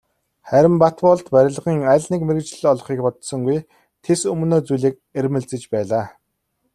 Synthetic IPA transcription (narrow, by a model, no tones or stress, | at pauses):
χæɾʲɪ̆mpat̪pɔɮt̪pæɾʲɪ̆ɮʁiːŋæːɮniːkmeɘkt͡ɕɮɔɮχiːkpɔt̪sɞ̆ŋɡuj | t̪ʰesɵm̆noːt͡sujɮeːk̚ | eɾmɘ̆ɮt͡sɘ̆t͡ɕpæːɮaː